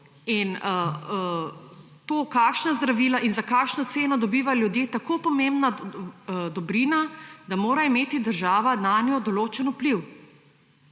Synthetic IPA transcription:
inə | t̪oːkaːkʃnazd̪ɾaʋiːlaʔinzakaːkʃnɔt̪seːnɔd̪ɔbiːʋaljud̪jeːt̪akoːpɔmẽmbna | d̪ɔbɾinad̪amoːɾaimeːt̪id̪əɾʒaːʋanaːnjɔd̪ɔloːt͡ʃɛnupliw

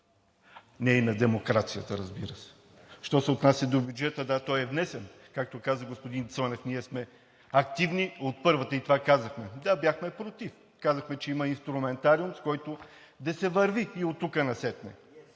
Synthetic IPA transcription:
nɛnɐd̪ɛmokɾat̪sijət̪əɾəzbiɾəsɛ̥ | ʃt̪ɔsɛot̪nasʲjɐd̪obʲjud͡ʒɛt̪əd̪at̪ɔjɛvnɛsɛn | kak̚t̪okazəɡospod̪int̪sɔnɛfniɛsmɛ | ɐk̚t̪ivniot̪̚pɤɾvət̪əit̪ovakazɐxmɛd̪abjaxmɛpɾot̪if | kazəxmɛt͡ʃɛiməinst̪ɾumɛnt̪aɾiumskɔjt̪o | d̪ɐsɛvəɾviːot̪ːukənɐsɛt̪nɛ

